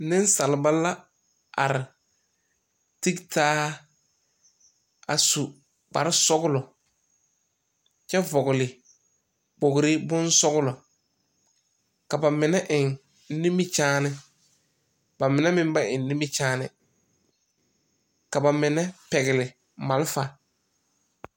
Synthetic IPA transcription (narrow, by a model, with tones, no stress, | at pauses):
nɪ˦n˦sa˨lɪ˨ba˦la˦ | a̰˨ɾɪ˨ | ti˦ktaː˦ | a˨su˨ | k͡pa̰˨ɾɪ˦sɔ˦ɣʊ˦lɔ˨ | t͡ʃɛ˦vɔ˨ɣʊ˨lɪ˨ | k͡po˨ɡɪ˨ɾɪ˦bʊ˦nsɔ˦ɣʊ˦lɔ˨ | ka˨ba˨mɪ˨nɛ˦ʔɪ˨ŋ˦ | ni˦mi˦t͡ʃaː˦nɪ˦ | ba˨mɪ˨nɛ˦mɪ̃˦m˦ba˦ʔɪ˨n˦ni˦mi˦t͡ʃaː˦nɪ̰˨ | ka˨ba˨mɪ˨nɛ˦pɛ˨ɣɪ˨lɪ˨ | ma˨lfa˨